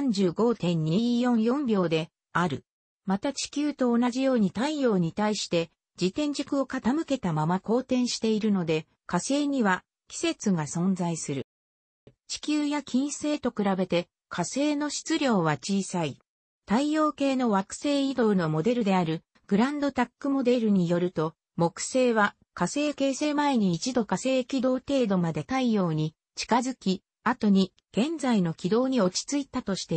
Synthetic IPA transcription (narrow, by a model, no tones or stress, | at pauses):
ãɲ̟d͡ʑɨːɡo̞ːt̪ẽ̞ɲ̟ːiijõ̞ɰ̃jõ̞mbʲjo̞ːd̪e̞ | aɾɯ̟ | mat̪at͡ɕi̥kʲɨːt̪o̞ːnaʑijo̞ːɲ̟it̪aijo̞ːɲ̟it̪aiɕi̥t̪e̞ | d͡ʑit̪ẽ̞ɲ̟d͡ʑɨkɯ̟o̞kat̪amɯ̟ke̞t̪amamako̞ːt̪ẽ̞ɰ̃ɕi̥t̪e̞iɾɯ̟no̞d̪e̞ | kase̞ːɲ̟iβa | kʲi̥se̞t͡sɨɡasõ̞nd͡zaisɨɾɯ̟ | t͡ɕi̥kʲɨːjakʲʰĩɰ̃se̞ːt̪o̞kɯ̟ɾabe̞t̪e̞ | kʰase̞ːno̞ɕi̥t͡sɨɾʲo̞ːβat͡ɕiːsai | t̪aijo̞ːke̞ːno̞βakɯ̟̥se̞ːid̪o̞ɯno̞mo̞d̪e̞ɾɯ̟d̪e̞aɾɯ̟ | ɡ̥ɯ̟ɾãnd̪o̞t̪akːɯ̟mo̞d̪e̞ɾɯ̟ɲ̟ijo̞ɾɯ̟t̪o̞ | mo̞kɯ̟̥se̞ːβa | kase̞ːke̞ːse̞ːmae̞ɲ̟iːt͡ɕid̪o̞kase̞ːkʲid̪o̞ːt̪e̞ːd̪o̞mad̪e̞t̪aijo̞ːɲ̟i | t͡ɕi̥kazɨkʲi | at̪o̞ɲ̟i | ɡ̥ẽ̞nd͡zaino̞kʲid̪o̞ːɲ̟io̞t͡ɕi̥t͡sɨit̪at̪o̞ɕi̥t̪e̞